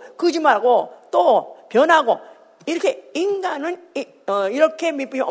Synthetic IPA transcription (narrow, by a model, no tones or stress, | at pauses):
kɯd͡ʑimaɭɡot͈opjʌnɦaɡo | iɾʌkʰeiŋɡanɯn | ʌiɾʌkʰe̞mip͈ɯɲʌ